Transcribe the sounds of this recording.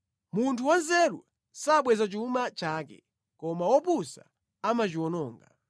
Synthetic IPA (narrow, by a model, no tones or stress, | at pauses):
muntʰuwanzɛɾṵ | saɓwɛzat͡ʃumat͡ʃaːkɛ̰ | kɔmawɔpusa | amat͡ʃiwɔnɔːŋɡa